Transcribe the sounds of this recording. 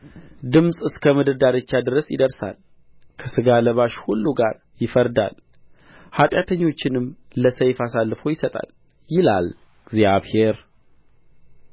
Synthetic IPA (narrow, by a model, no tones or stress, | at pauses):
d̪ɨmsʼɨskʰəmɨd̪ɨd̪aɾət͡ʃːad̪ɨɾəsjɪ̰d̪əɾsa̰l | kʰəsɨɡaləβaʃhulːuɡaɾ | jɪfəɾd̪a̰l | hat̪ʼjat̪ʰəɲːo̞t͡ʃːɪnɨmləsəjfasalːɨfo̞jɪsət̪ʼa̰l | jɪla̰l | ɡ̥zjaβhe̞ɾ